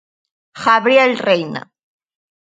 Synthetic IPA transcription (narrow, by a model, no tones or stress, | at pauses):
xaβɾjelrejna̰